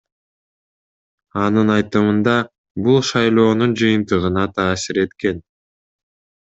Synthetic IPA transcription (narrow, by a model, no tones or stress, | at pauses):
ɑnɯnɑjt̪ɯmɯnd̪ɑ | bulˠʃɑjlˠo̞ːnund͡ʒɯjɯnt̪ɯʁɯnɑt̪ʰɑːsiɾe̞t̪ke̞n